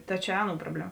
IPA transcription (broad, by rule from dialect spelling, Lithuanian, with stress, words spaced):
ˈtɐ t͡ʃʲɛ ˈɑːˌnuː ˈproːbʲlʲɛˌmɐ